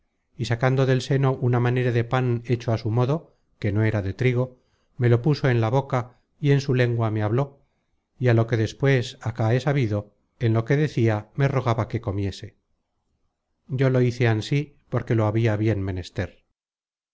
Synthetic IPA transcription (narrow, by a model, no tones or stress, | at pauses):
isakand̪oðe̞lse̞no̞ʔunamaneɾaðe̞pane̞t͡ʃoasumo̞ðo̞ | ke̞no̞e̞ɾaðe̞t̪ɾiɣ̞o̞ | me̞lo̞puso̞e̞nlaβo̞ka | ie̞nsule̞ŋɡwameaβlo̞ | ialo̞ke̞ðe̞spwe̞sakae̞saβiðo̞ | enlo̞ke̞ðe̞θiame̞ro̞ɣ̞aβake̞ko̞mje̞se̞ | ɟ͡ʝo̞lo̞iθeansipo̞ɾke̞lo̞aβiaβje̞nme̞ne̞st̪e̞ɾ